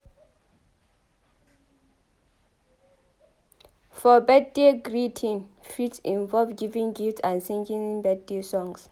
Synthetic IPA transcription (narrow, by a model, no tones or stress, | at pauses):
fɔbɛd̚deɡɹitʰĩnfitsĩɱvɔlvɡivĩŋɡiftʰãnsĩŋɡĩnbɛd̚desɔ̃ŋs